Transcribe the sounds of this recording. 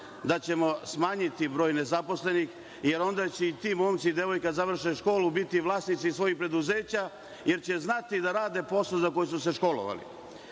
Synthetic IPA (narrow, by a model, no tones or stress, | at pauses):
d̪at͡ɕe̞mo̞smaːɲit̪ibɾo̞ːjne̞zapo̞sle̞nix | je̞ɾo̞nd̪at͡ɕeit̪iːmoːmt̪sid̪e̞ʋo̞jkazaʋr̩ʃeʃko̞ːlubit̪iʋlˠaːsnit̪sisʋo̞jixpɾe̞d̪uzeːt͡ɕa | je̞ɾt͡ɕeznat̪id̪aɾaːd̪e̞po̞slˠozako̞jesuse̞ʃko̞lo̰ʋa̰lḭ